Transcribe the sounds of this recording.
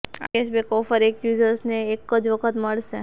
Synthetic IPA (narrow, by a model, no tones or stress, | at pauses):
a̰eʃbekɔfəɾekjuzəɾsneːkːəd͡ʒʋəkʰət̪məɭʃe